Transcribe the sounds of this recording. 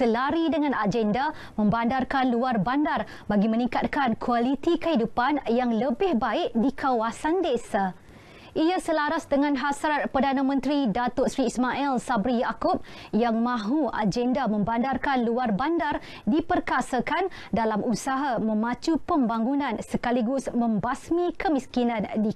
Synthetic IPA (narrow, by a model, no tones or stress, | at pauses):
səlaɾidəŋãnad͡ʒɛnda | mə̃mbandarkanluarbandar | baɡimə̃nĩŋkat̪̚kankʰualit̪ikəɦidupanjaŋləbɪhbaɪʔdikʰawasandesa | ʔiasəlaɾasdəŋãnɦasɾat̪̚pərdanamə̃nt̪ɾidat̪ɔt̪sɾiːsmaʔɛlsabɾijakʊp̚jaŋmãɦua̰d͡ʒɛndamə̃mbandarkanluarbandar | dipərkasakan | dalamʔusaɦamə̃mãt͡ʃupəmbaŋunãnsəkaliɡʊsmə̃mbasmĩkəmiskinãndi